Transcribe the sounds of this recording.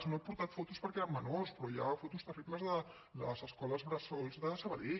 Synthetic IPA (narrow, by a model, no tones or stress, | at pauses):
znoepuɾt̪at̪fɔt̪uspəɾkeɾəmːənorspɾɔjafot̪ust̪ərib̪ləzðə | lə̰zəskɔləzβɾəsolˠzðəsəβəði